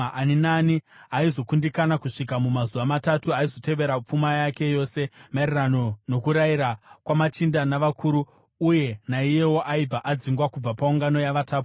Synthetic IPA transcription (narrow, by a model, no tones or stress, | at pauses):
ʔaninaniaizo̞kundikanakuʂikamumazuʋamatatuaizo̞te̞ʋe̞ɾap͡fumajake̞jo̞se̞marerano̞no̞kuɾaiɾakwamat͡ʃindanaʋakʰuɾuː | je̞naije̞wo̞ʔaib͡vaʔad͡ziŋɡwakub͡vapauŋɡano̞jaʋataːpu